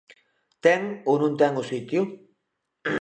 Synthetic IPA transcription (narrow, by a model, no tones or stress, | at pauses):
t̪eŋunũnt̪eŋusit̪ju